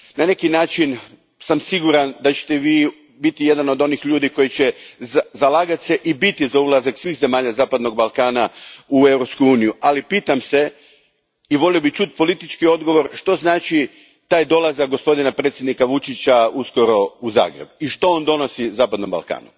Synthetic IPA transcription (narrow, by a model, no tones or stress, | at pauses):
nane̞kinaːt͡ʃin | samsiɡuɾand̪at͡ɕe̥t̪eʋiː | bit̪ije̞d̪ano̞d̪o̞nixʎuːd̪iko̞jit͡ɕezalaːɡat̪seʔibit̪izaulˠazaksʋiːxze̞maːʎazaːpad̪no̞ɡ̚balˠkaːnaue̞wɾopskuuːnijuʔalipiːt̪amse̞ | iʋo̞lio̞bit͡ʃut̪po̞lit̪it͡ʃkio̞d̪ɡo̞ʋo̞ɾʃt̪o̞znaːt͡ʃi | t̪aːjd̪o̞lˠazak̚ɡo̞spo̞d̪inapɾet̪sʲjed̪nikaʋut͡ʃit͡ɕausko̞ɾo̞uza̰ːɡɾe̞̰biʃt̪o̞ond̪o̞no̞sizaːpad̪no̞mba̰lka̰ːnṵ